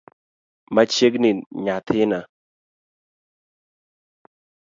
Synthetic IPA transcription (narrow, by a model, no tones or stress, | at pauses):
mɐt͡ʃːeɡninɲaːt̪ʰena